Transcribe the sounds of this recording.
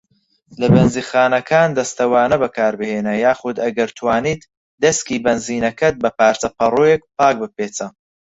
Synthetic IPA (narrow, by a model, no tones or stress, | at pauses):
lɐbɛnziːxaːnɐkʰaːnd̪ɐst̪ɐwaːnɐbɐkʰaːɾbɨheːnɐjaːxʊd̪ɐɡɐɾt̪ʰwaːniːt̪ | d̪ɐskiːbɐnziːnɐkɐt̪̚bɐpaːɾt͡sɐpʰɐruːjek̚paːk̚bɨpeːt͡sɐ